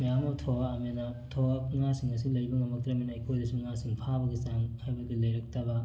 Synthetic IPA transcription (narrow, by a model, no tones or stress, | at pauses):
mejamotʰɔwaːmenatʰɔwaŋasiŋɐs̬ilɐjbɐŋɐmɐk̚tɾɐminaijkʰojdɐsuŋasiŋpʰabɐɡisaŋhajbɐkilɐjɾɐk̚tʰɐbɐ